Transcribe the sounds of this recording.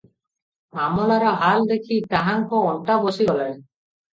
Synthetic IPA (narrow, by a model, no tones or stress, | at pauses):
amɔlaɾɔɦald̪ekʰit̪aɦaŋkɔɔɳʈabɔsiɡɔlaɾ